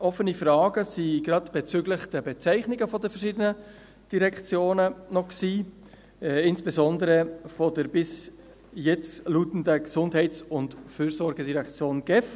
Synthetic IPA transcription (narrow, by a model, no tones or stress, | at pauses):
ʔɔfːənifrɑːɡəsiɡ̥ɾɑdb̥ɛt͡syːɡlɪχd̥əbɛt͡sæɪχnɪɡəfɔdəfəɾʃiːdənə | d̥iɾɛkt͡sjoːnənɔksiː | ɪnsb̥ɛzɔndəɾəfɔdəɾbɪs | jɛt͡sluːtn̩dəksʊndhɛɪt͡sʊntfyːɾsɔɾɡədiɾɛkt͡sjoːnɡ̥ɛf